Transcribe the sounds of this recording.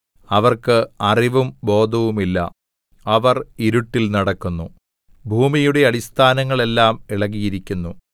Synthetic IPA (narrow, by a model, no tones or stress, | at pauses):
ɐʋɐrkɨɐriʋumbo̞ːd̪ʱɐʋumilːɐ̰ | ɐʋɐriɾuʈːilnɐɽɐkːunːu | bʱuːmijuɽe̞ɐɽist̪ʰaːnɐŋːɐɭe̞lːaːmiɭɐɣijiɾikʲːunːu